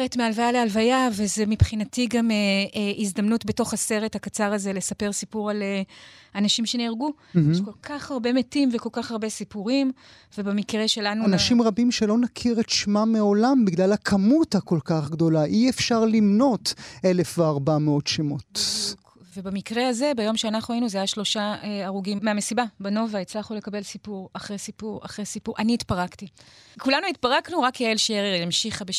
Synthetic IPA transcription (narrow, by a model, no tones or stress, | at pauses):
ʁetmealvajalealvajavezemipχinatiɡameizd̪amnutbe̞to̞χhase̞ʁethakat͡saʁaze̞le̞sape̞ʁsipuʁaleanaʃimʃe̞niʁɡu | ʃko̞lkʰaχaʁbe̞metimveko̞lkaχaʁbe̞sipuʁim | ve̞bemikʁe̞ʃe̞lanuanaʃimʁabimʃelo̞nakʰiʁetʃmameo̞lambiɡlalhakʰamuthako̞lkaχɡd̪o̞laʔiefʃaʁlimno̞te̞lefveaʁbameo̞tʃemot̪ | vebamikʁehaze̞bajo̞mʃeanaχnuainuzaːjaʃlo̞ʃaaʁuɡimːeamesibabano̞vait͡slaχule̞kabe̞lsipuʁaχʁesipuʁa̰χʁesipuʁʔaniːt̪paʁaktikulanuit̪̚paʁaknuʁakeelʃeʁeʁjamʃiχabe